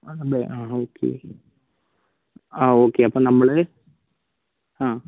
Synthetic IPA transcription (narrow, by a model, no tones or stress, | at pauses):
nɐbeʔaːoːkʰːḛ | aːoːkːeːɐpːoːnɐmːɐɭɨ | hãː